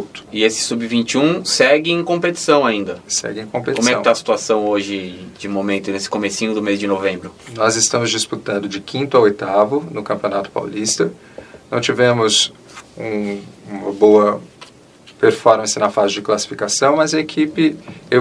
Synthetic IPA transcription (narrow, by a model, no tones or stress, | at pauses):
t̪ʊ̥ɪesɪ̥subɪvĩnt͡ʃiũsɛɡɪẽkõpet͡ʃi̥sɐ̃w̃aĩnd̪ɐsɛ̰ɡɪẽkõpekomwɛkɪ̃t̪aɐsi̥t̪uasɐ̃w̃oʒɪd͡ʒɪmomẽnt̪ʊnesɪ̥komesĩɲʊd̪ʊmezd͡ʒɪnovẽbɾʊnɔzɪst̪ɐ̃mʊzd͡ʒisput̪ɐ̃nd̪ʊd͡ʒɪkʰĩnt̪ʊaojt̪avʊnʊkɐ̃pionat̪ʊ̥pa̰wlist̪ɐ | nɐ̃w̃t͡ʃivẽmʊzũmɐboɐ | peɾfɔɾmɐ̃sɪnɐfazɪd͡ʒɪklasi̥fikasɐ̃w̃mɐzɐekʰipɪe